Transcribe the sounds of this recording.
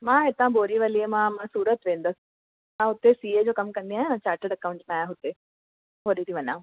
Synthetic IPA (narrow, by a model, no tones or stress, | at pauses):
mãːet̪ãboːɾiʋɐliemãːmãsuːɾət̪ʋẽːnd̪əs | mãɦʊt̪ːesiːed͡ʑoːkɐmkɐ̃nd̪ĩaːɦẽnãːt͡ɕaːɾʈəɖɐkaʋʊ̃ɳʈnãːjãɦʊt̪e | ɦoːɗit̪ʰiʋɐɲã̰